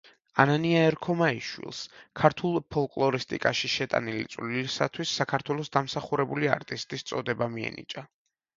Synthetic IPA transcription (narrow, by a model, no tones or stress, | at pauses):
ananiaɛɾkʰɔmaiʃwḭlˠskʰaɾt̪ʰulˠpʰɔlˠkʼlˠɔɾist̪ʼḭkʼaʃiʃɛt̪ʼa̰nilḭt̪sʼvlilisat̪ʰwisːakʰaɾt̪ʰwɛlˠɔsd̪amsaχuɾɛbulia̰ɾt̪ʼist̪ʼist̪sʼɔd̪ɛbamiɛ̰nḭt͡ʃʼa